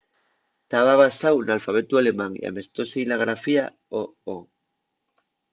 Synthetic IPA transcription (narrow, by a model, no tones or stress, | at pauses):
t̪aβaβasawnalfaβ̞et̪uale̞mãŋḭa̰me̞st̪o̞seilaɣ̞ɾafia | oo